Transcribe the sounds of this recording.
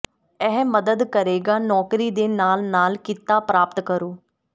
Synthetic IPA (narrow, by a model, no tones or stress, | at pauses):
ɛːməd̪əd̪kəɾeːɡaːnɔːkɾiːd̪eːnaːlnaːlkɪt̪ːaːpɾaːpət̪kəɾoː